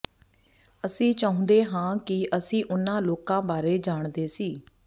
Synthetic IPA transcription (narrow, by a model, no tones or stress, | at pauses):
əsĩːt͡ʃaːʊ̃ːnd̪eːɦãːkɪʔəsĩːʔʊnãːloːkãːbaːɾeːd͡ʒaːɳd̪eːsiː